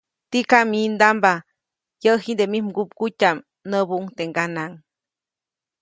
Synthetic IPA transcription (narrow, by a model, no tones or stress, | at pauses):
t̪ikamind̪amba | jəɦind̪emimɡup̚kucam | nəbuŋt̪eŋɡanaŋ